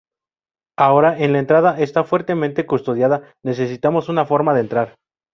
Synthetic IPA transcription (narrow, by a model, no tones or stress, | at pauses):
ao̞ɾae̞nlae̞nt̪ɾaðae̞st̪afwe̞ɾt̪e̞mẽnt̪e̞kust̪o̞ðjaðane̞s̬e̞sit̪amo̞sunafo̞ɾmaðent̪ɾaɾ